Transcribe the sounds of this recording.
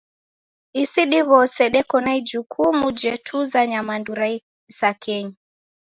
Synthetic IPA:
isiɗiβɔsɛɗɛkɔnaid͡ʒukʰumud͡ʒɛtʰuzaɲamanduɾai | sakɛɲi

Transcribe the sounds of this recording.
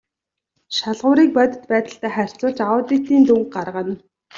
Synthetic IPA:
ʃaɮʁʊːɾiːk̚pœt̪ə̥̆t̪pæːt̪ə̆ɬt̪æːχær̥ʲt͡sʊːɮt͡ɕaʊːt̪it̪iːnt̪uŋk̚ɢarʁə̆n

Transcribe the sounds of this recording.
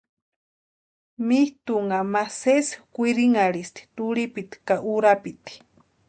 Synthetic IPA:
miht̪uŋamaseskʷiɾiŋaɾist̪i̥t̪uɾipit̪i̥kaʔuɾapit̪i̥

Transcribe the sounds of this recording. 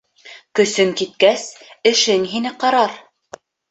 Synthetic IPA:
kɵ̆sɵŋkit̪̚kæsɘ̆ʃɘŋɦinɘqɑɾɑɾ

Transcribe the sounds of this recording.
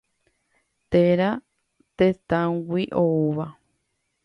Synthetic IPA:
t̪eɾa | t̪et̪ãɡiʔouβa

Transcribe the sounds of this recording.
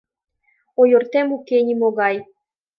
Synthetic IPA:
ojort̪emukenʲimoɣɑj

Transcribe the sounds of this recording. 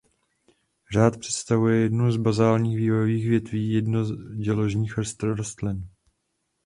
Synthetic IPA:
r̝aːt̪pr̥ɛ̥t̪st̪avujɛjɛdnuwzbazaːlɲiːxviːvojoviːxvjɛt̪viːjɛdnozɟɛlo̞ʒɲiːxr̩st̪ɾoɾast̪lɪn

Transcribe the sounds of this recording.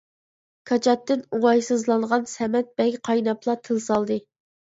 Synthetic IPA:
kʰɑt͡ʃʰɑt̪ːɨnuŋɑjsɨzlˠɑɴʁɑnsɛmɛt̪̚b̥ɛɡʲqʰɑjnɑplˠɑt̪ʰɨlˠsɑlˠd̪ɨ

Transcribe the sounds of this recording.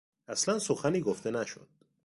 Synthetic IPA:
æslænsoxæniːɡoft̪enæʃo̰d̪̥

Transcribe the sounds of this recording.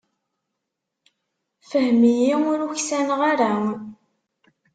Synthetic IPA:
fəhmijiʊɾuçsænʁaɾa

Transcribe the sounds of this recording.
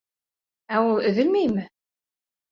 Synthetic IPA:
æulˠɵ̆ðɘ̆lmæjmɘ

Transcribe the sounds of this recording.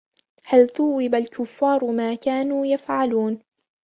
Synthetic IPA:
halθuwːɪbalkʊfːɑːɾˤmaːkaːnuːjafʕaluːn

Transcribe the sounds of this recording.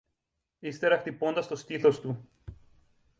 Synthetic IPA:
ist̪e̞ɾɐxt̪ipo̞nd̪ɐst̪o̞st̪iθo̞st̪u

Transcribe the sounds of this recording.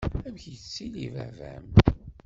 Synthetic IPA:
æmçit͡sːilivæ̰væ̰m

